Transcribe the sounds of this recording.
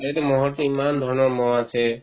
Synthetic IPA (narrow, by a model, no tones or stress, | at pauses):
eɛtɛmɔɦɔtiimand̪ʱɔɹnɔɹmɔwasɛ